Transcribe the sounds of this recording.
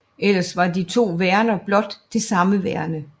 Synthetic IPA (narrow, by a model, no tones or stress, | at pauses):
ʔel̰ɐsʋɑ̈dit͡sʰo̝̰ːʋæɐnɐb̥lɒ̽d̥ːe̝sɑ̈məʋæɐ̰nə